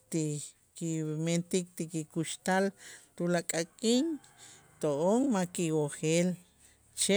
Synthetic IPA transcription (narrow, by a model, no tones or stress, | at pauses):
t̪i | kiment̪ik̚t̪ikikuʃt̪alt̪ulakʼakʼiːŋ | t̪oʔoŋmakiwoχeːl | t͡ʃe